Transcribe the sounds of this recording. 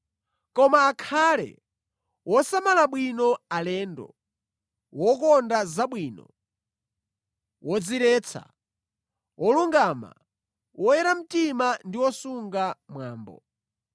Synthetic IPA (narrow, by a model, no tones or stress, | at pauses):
kɔmaːkʰaːlɛ̰ | wɔsamalaɓwinɔalɛndɔ̰ | wɔkɔndazaɓwiːnɔ̰ | wɔd͡ziɾɛːt͡sʰa̰ | wɔluŋɡaːma̰ | wɔjɛɾam̩timandiwɔsuŋɡamwaːmbɔ̰